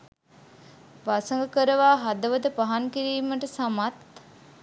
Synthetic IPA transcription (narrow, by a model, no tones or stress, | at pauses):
ʋasəŋɡəkəɾəʋaːɦad̪əʋəd̪əpaɦaŋkiɾiːməʈəsamat̪̚